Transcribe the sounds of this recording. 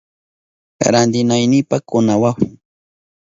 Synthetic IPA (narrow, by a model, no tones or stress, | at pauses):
ɾand̪ɪnajnɪpakʊnawaw